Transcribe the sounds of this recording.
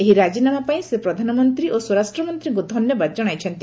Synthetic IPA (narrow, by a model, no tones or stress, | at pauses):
eɦiɾad͡ʒinamapaĩsepɾɔd̪ʱanɔmɔnt̪ɾiʔoswɔɾasʈɾɔmɔnt̪ɾiɡud̪ʱɔnjɔbadd͡ʒɔɽ̃ajt͡ʃʰɔnt̪i